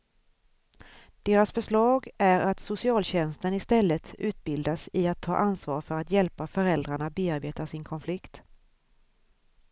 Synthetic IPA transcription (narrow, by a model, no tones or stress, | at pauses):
d̪̥eːɾasfœʂɭɑːɡæɾat̪sʊsɪɑːlɕɛnst̪ənɪst̪ɛlːət̪ʰʉ̟ːt̪̚bɪld̪asɪat̪ʰːɑ̰ːʔansvɑ̰ːɾfœɾat̪jɛlpafœɾɛld̪ɾaɳabeːaɾbeːt̪asɪnkʰɔnflɪkt̪